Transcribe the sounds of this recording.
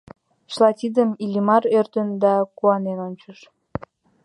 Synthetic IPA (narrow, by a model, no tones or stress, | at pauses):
ʃlɑt̪ʲid̪əmilʲimɑɾørt̪ənd̪ɑkuɑnenonʲt͡ɕəʃ